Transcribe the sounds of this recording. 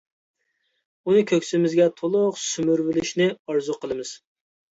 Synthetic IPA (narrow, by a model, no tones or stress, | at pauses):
unɨkʲʰøkʲsɪmɪzɡʲɛt̪ʰolˠʊqsymyɾvɪlɪʃnɪɑɾzuqʰəlˠɨmɨz̥